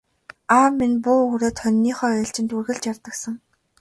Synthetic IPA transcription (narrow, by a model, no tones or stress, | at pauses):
aːmːinpuːɵːɾoːt̪ʰχœnʲːiːχœːɬt͡ɕɪ̆nt̪urɣɘ̆ɮt͡ɕjart̪ə̆ksə̆ŋ